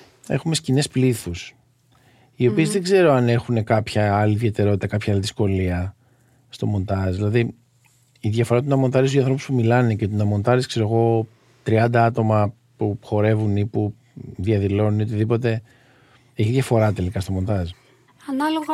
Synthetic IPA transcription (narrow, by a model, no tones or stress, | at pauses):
e̞xume̞scinespliθus | io̞pie̞zðe̞ɡze̞ɾo̞ɐne̞xune̞kɐpçɐɐliðʝe̞t̪e̞ɾo̞t̪i̥t̪ɐkɐpçɐaliðisko̞liɐ | st̪o̞mo̞nt̪ɐzðilɐði | iðʝɐfo̞ɾɐt̪unɐmo̞nt̪ɐɾis̬uiɐ̃nθɾo̞puspumilɐnecet̪unɐmo̞nt̪ɐɾiskse̞ɾoɣo̞ | t̪ɾiɐnd̪ɐɐt̪o̞mɐ | puxo̞ɾe̞vunipu | ðiɐðilo̞nunio̞t̪iðipo̞t̪e̞ | e̞çiðʝɐfo̞ɾɐt̪e̞likɐst̪o̞mo̞nt̪ɐz | ɐnɐloɣɐ